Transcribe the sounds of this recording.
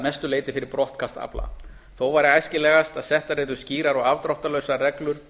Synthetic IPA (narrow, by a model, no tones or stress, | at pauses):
najst̪ʏleːjt̪ɪfɪɾɪɾpɾɔht̪kʰast̪a̰pla̰ | θowvaːɾɪajscɪlɛːɣast̪aðsɛht̪aɾeːt̪ʏsciːɾaɾɔɣavt̪ɾɔwht̪alœɥsarɛklʏɾ̥